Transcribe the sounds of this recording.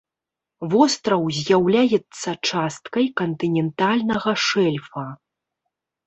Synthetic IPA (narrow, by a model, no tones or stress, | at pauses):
vɔst̪ɾɐwzʲjawlʲajɛt̪sːɐt͡ʂast̪kɐjkɐnt̪ɨnʲɛnt̪alʲnɐɣɐʂɛlʲfɐ